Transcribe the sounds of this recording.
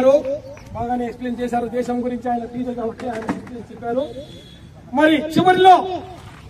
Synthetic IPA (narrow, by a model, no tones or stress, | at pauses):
ɾubaːɡaːneekspleːnt͡ʃɛːsaːɾud̪ɛːʃɐmɡuɾiɲt͡ʃiaːjɐnɐpiːt̪ɐt̪ɐut͡ʃːeaːjɐnɐsit̪esit͡ʃepːaːɾu | mɐɾit͡ʃiʋɐɾilo̞ː